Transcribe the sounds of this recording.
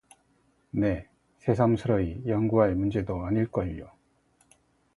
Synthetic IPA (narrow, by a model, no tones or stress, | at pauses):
ne̞ | sʰe̞sʰamsʰɯɾʌijʌŋɡuɦaɭmund͡ʑe̞doaɲiɭk͈ʌiɭːo